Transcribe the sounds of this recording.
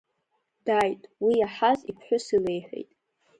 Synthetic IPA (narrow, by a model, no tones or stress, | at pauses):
d̥ajtʼwiaħazipʰħʷᶣʊsile̞jħʷᶣe̞̰jtʼ